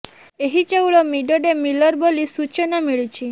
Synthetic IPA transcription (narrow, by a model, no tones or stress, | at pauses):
eɦid͡ʒewɭɔmiɖɔɖemilɔɾbolisut͡ʃɔnamiɭit͡ʃʰi